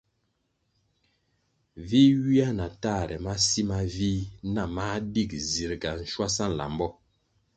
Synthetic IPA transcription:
vi˦wi˦a˦na˨taː˦˨ɾɛ̰˨ma˦si˦ma˦vi˦na˦˨ma˦di˦˨k̚zi˨ɾɡa˨n̩˨ʃwa˦sa˦n̩˨la̰˨m˦bɔ˦

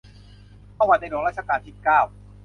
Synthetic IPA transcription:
aː˥˩waː˧t̪a˧jnoː˧ŋɾaː˥˩t͡ɕa˧kaː˧nt̪ʰiː˥˩kaː˥˩w

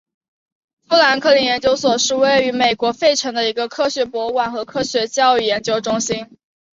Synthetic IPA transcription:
fɤ˥la˧˥nkʰɤ˥˩li˧˥njɛ˧˥nt͡ɕjo˥ʊswɔ˨˩ʂɻ̩˥˧we˥˩ɪy˧˥me˨˩ɪkwɔ˧˥fe˥˩ɪʈ͡ʂʰɤ˧˥ŋd̪ə˧i˧˥ɡə˧kʰɤ˥ɕɥɛ˧˥pwɔ˧˥kwa˨˩nxɤ˧˥kʰɤ˥ɕɥɛ˧˥t͡ɕjɑ˥˧ʊy˥˩jɛ˧˥nt͡ɕjo˥ʊʈ͡ʂʊ˥ŋɕi˥n

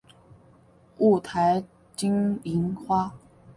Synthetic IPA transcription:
u˥˩t̪ʰa˧˥ɪ | t͡ɕi˥ŋi˧˥nxwa˥

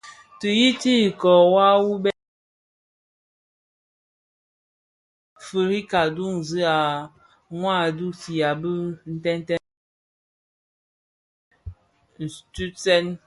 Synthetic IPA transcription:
tɨ˨ji˦ti˦i˨kɔ˨wa˦wu˦bɛ˦ | fə˨ɾi˦ka˨du˦ŋn̩˨zɨ˦a˨ | ŋwa˦˨du˦ti˨a˨bə˦n̩˦tɛ˦n˦tɛ˦ | n̩˨tu˦sɛ˦n

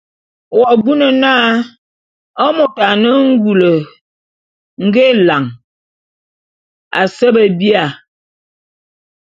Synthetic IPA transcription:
wɔ˨bu˦nə˨naː˦ | ɔ˦mo˨ta˨nə˦ŋ̩˦ɡu˨lə˨ | ŋ̩˦ɡe˦˨la˨ŋ | a̰˨sə˦bə˨bi˦a˨

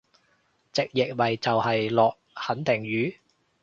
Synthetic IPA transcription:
t͡sɪ˨k̚jɪ˨k̚wɐ˨jt͡sɐ˨whɐ˨jlɔː˨k̚hɐ˨˥nt̪ʰɪ˨˩ŋɥyː˨˥

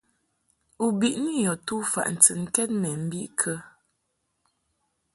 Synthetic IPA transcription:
u˨bi˨ʔni˦jɔ˨tu˦fa̰˨ʔn̩˨t͡sɨ˨ŋ̩˦kɛ˦t̚mɛ˨m̩˦bi˦ʔkʰə˦

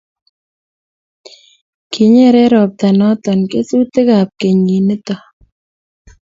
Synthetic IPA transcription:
kʰi˨ɲɛ˦ɾɛ˦ɾɔ˨p̚t̪a˨nɔ˦t̪ɔ˨nke˦su˦t̪ɪ˦ɡa˨p̚ke˨ɲi˨nɪ˦t̪ɔ˨

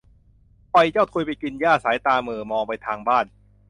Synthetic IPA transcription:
pa˧jt͡ɕɔː˥˩t̪ʰu˧jpa˧jki˧njaː˥˩saː˩˦jt̪aː˧mɯː˨˩mɔː˧ŋpa˧jt̪ʰaː˧ŋbaː˥˩n

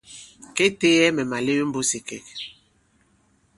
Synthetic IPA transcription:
ke˦te˦jɛ˦mɛ˨ma˨le˦wm̩˦bo˦si˨kɛ˨k̚

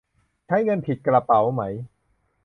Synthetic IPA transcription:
t͡ɕʰa˦˥jŋɤ˧npʰi˨˩t̪̚kla˧pa˩˦wma˦˥j

